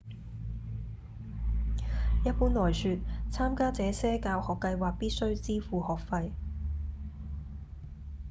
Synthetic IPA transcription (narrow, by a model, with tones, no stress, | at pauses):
jɐ˥t̚puː˨˥nlɔː˨˩jsyː˨t̚t͡sʰaː˥mkaː˥t͡sɛː˨˧sɛː˥kaː˧whɔː˨kːɐ˧jwaː˨˩k̚piː˥t̚sɵ˥ɥt͡siː˥fuː˨˧hɔː˨˩k̚fɐ˧j